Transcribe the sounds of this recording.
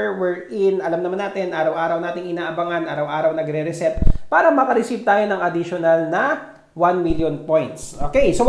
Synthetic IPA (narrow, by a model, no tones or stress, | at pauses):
wɛɹʔɪnɐlamnɐmanːaːt̪ɪnʔaːɾɐwʔaːɾɐwnaːt̪ɪŋɪnaːʔɐbɐŋanʔaːɾɐwʔaːɾɐwnɐɡɾɛɾɛsɛt̪̚paːɾɐmɐkɐɾɛsivt̪aːjonɐŋʔɐd̪ɪʃonɐlnɐ | wanmiljonpojnt̪sʔoːkejso